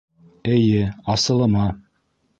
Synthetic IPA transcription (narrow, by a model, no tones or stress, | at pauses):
ɘ̆jɘɑsɤ̆lˠɤ̆mɑ